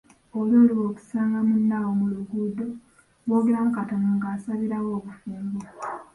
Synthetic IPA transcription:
oloːliwo̞ːku̥saːŋɡamunːawomuluɡud̪o̞ | βo̞ːɡeɾamukatonuŋɡaːsaβiɾawo̞ːβufuːmbu

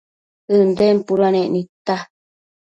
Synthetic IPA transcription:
ɨnd̪empuɾanẽʔnĩt̪a

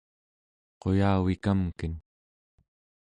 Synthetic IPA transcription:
qo̞jaːwikamkən

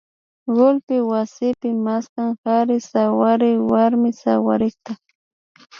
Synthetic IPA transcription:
ɢolpɪwasɪpɪmaskaŋhaɾɪsawaɾɪwaɾmɪsawa̰ɾɪkt̪a

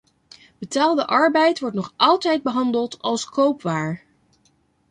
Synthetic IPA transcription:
bətaːlˠdəʔɑɹbɛjtʋɔɹtnɔχʔɑlˠtɛjd̚bəɦɑndəlˠtɑlˠskowpʋaːɹ

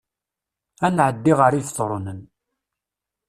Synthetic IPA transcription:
ænʕəd̪ːiʁəɾiθθˤɾˤonən

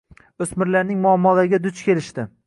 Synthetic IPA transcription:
ɵsmɪɾlaɾnɪŋmʊamːɒlaɾɪɡʲad̪ʊt͡ʃkʲʰe̞lɪʃt̪ɪ

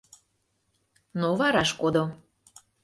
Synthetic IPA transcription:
novɑɾɑʃkod̪o

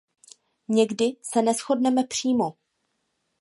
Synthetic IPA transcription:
ɲɛɡdɪsɛnɛsxo̞dnɛmɛpr̝̥iːmo̞

